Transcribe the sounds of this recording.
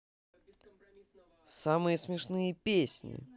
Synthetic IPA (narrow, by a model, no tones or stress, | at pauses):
samɨjəsmʲɪʂnɨjəpʲesʲnʲɪ̰